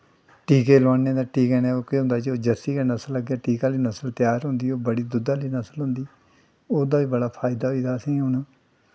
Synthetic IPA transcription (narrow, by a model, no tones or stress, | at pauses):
ʈiːkeːlãːneːd̪aːʈiːkɛːnaoːkeːɦʊ̃nd̪aːd͡ʒioːd͡ʒəsiːkaːnəsəlːəɡjaːʈiːkãːliːnəsəlt̪jaːɾɦʊ̃nd̪iːoːbəɽiːd̪ʊd̪aːliːnəsəlɦʊ̃nd̪iː | oːd̪aːʋiːbəɽaːpʰaːɪd̪aːɦoiːd̪aːəsĩːɦʊnː